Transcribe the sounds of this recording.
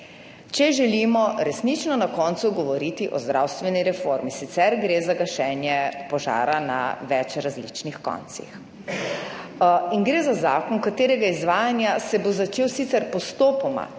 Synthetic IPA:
t͡ʃɛʒɛlimɔɾɛsnit͡ʃnɔnakɔnt̪suɡɔʋɔɾit̪iʔɔzd̪ɾʔawst̪ʋɛniɾɛfoɾmisit̪sɛɾɡɾeːzaɡaʃɛːnjɛpɔʒa̰ːɾana̰ʋɛt͡ʃɾazlḭt͡ʃnixkɔ̰nt̪sḭx | iŋɡɾeːzazaːkɔnkat̪eːɾɛɡaizʋaːjanjasɛbozat͡ʃeːwsit̪sɛɾpɔst̪oːpɔma̰

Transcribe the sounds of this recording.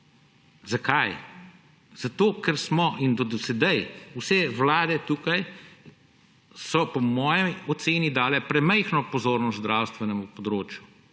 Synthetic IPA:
zakaj | z̥at̪oːkɛɾsmɔʔind̪ɔd̪ɔsɛd̪ɛjusɛwlaːd̪ɛt̪uːkaj | sɔpɔmɔːjɛjɔt̪seːnid̪aːlɛpɾɛmɛjxnɔpɔzoːɾnɔst̪d̪ɾawst̪ʋɛnɛmupɔd̪ɾoːt͡ʃju

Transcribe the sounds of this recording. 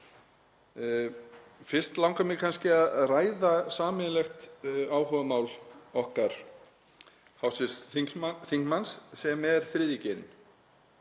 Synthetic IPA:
fɪr̥st̪lawŋkamɪkʰanscɪaðraːjðasaːmɪnlɛxt̪aːwhœvamaːwlɔhkaɾ̥ | hawsɪsθθiŋkmansːɛmɛɾ̥θɾɪːðicɪɾɪ̰n

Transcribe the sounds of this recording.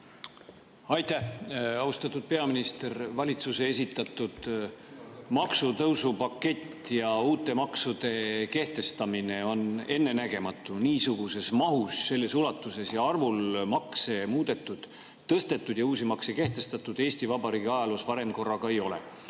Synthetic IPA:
ɑjt̪æhɑust̪ɑt̪ːˑud̪̥̚pe̞ɑminist̪e̞rvɑlʲit̪suse̞esit̪ːˑɑt̪ˑːud̪̥ | mɑksut̪ɤwsupɑkːˑe̞t̪ːjɑuːt̪ːˑe̞mɑksud̪̥e̞ke̞ht̪e̞st̪ɑmine̞o̞ne̞nːe̞næɡ̥e̞mɑt̪ːˑuniːsuɡ̥use̞smɑɦusːe̞lːe̞sulɑt̪ːˑuse̞sjɑɑrvulmɑkse̞muːd̪̥e̞t̪ːˑud̪̥ | t̪ːɤst̪e̞t̪ːˑud̪̥jɑuːsimɑkseke̞ht̪e̞st̪ɑt̪ːˑud̪e̞ːsʲt̪ivɑbɑɾiːɡiɑjɑlosvɑɾe̞mko̞rːɑɡ̥ɑe̞jo̞lḛ

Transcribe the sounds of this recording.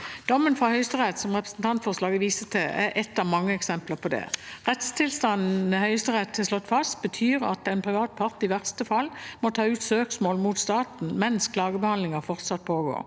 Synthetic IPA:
d̪̥ɔmːənfʁɑhœʏst̪əʁɛt̪sɔmʁɛpʁəsnt̪ʰɑnt̪fɔʁʂlɑːɡəʋiːsət̪ʰɛæɾʔɛt̪ːɑʋmɑŋːəɛksɛmpləʁpʰɔd̪ɛ̰ʁɛt̪st̪ʰɪlst̪ɑnn̩əhœʏst̪əʁɛt̪hɛʂlɔt̪ːfɑst̪̚bət̪ʰyːʁɑ̰t̪ɛɪnpʰʁɪʋɑːt̪̚pʰɑʁt̪ɪʋæʁst̪əfɑlːmɔt̪ʰɑːʉːt̪søːksmoːlmuːt̪st̪ɑːt̪n̩mɛnskʰlɑːɡəbəhɑnd̪lɪŋəʁfɔʁt̪sɑt̪̚pʰoːɡo̰ːʁ

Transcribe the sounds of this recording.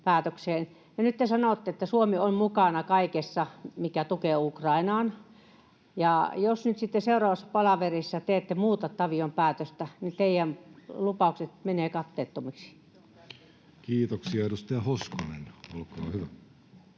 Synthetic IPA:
pæːt̪økseːn | jɑnyt̪ːesɑnot̪ːeet̪ːæsuomiommukɑnɑkɑikesːɑmikæt̪ukeːukrɑinɑːn | jɑˑjosnyt̪sit̪ːeseurɑːʋɑsːɑ̥pɑlɑʋerisːɑt̪eet̪ːemuːt̪ɑt̪ːɑʋiompæːt̪øst̪ænit̪eijænlupɑˑukset̪meneːkɑt̪ːeːt̪ːomiksi̥ | kiːt̪oksiɑrust̪æhoskonḛnolko̰ːhyʋæ

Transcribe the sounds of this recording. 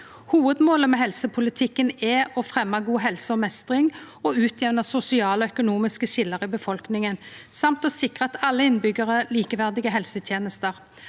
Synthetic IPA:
huːʋəd̪moːləmɛːɦɛlsəpʰʊlɪt̪ʰɪkːənɛɔfʁɛmːɑɡuːɦɛlsəɔmɛst̪ʁɪŋɔʉːt̪ʰjɛʋnəsʊsɪɑːlɔœkʊnuːmɪskəʃɪlːəʁɪbəfɔlknɪŋənsɑmt̪ɔsɪkʁəɑt̪ʰɑlːəɪnbʏɡːəʁəliːkəʋæʁd̪ɪɡəɦɛlsət̪ʰjeːnəst̪əʁ

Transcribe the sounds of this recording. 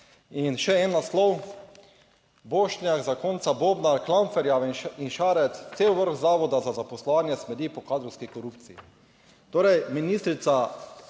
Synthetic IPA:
inʃɛɛnːaslɔw | boːʃnjaɣzakɔnt̪sabobnaɾklaɱfɛɾjainʃaːɾɛt̪st̪seːwʋəɾxzaːʋɔd̪azazapɔslɔʋaːnjɛsmɛd̪iːpɔkaːd̪ɾɔwskikɔɾupt̪siḭ | t̪oːɾɛjminist̪ɾit̪sa

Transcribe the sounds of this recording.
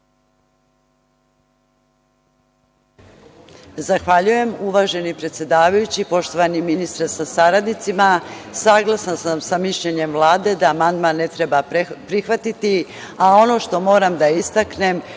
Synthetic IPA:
zaxʋaʎuje̞muʋaːʒe̞nipɾe̞t̪sje̞d̪aːʋajut͡ɕipo̞ʃt̪o̞ʋaniminist̪ɾesasaɾad̪nit̪simasaːɡlasansamsamiʃʎeɲemʋlˠaːd̪e̞d̪aːmand̪manːet̪ɾebapɾixʋat̪it̪i | ao̞no̞ːʃt̪o̞mo̞ːɾamd̪aist̪akne̞m

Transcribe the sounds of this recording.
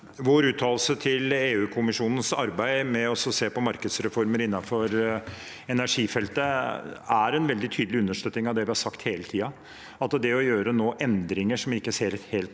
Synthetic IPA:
ʋoːɾʉːt̪ʰɑːlsət̪ʰɪleːʉːkʰʊmɪʂuːnən̩sɑɾbæɪmɛɔsɔseːpɔmɑɾkəd̪sɾɛfɔɾməɾɪnːɑfɔɾ | ɛnæʂiːfɛlt̪əæɾɛnʋɛld̪ɪt̪ʰyːd̪lɪʉnːəʂʈ̪øːt̪nɪŋɑʋd̪ɛʋɪhɑɾsɑkt̪heːlət̪ʰiːɑ | ɑt̪əd̪ɛɔjøːɾənoːʔɛnd̪ɾɪŋəʂɔmɪkːəseːɾɛt̪heːlt̪

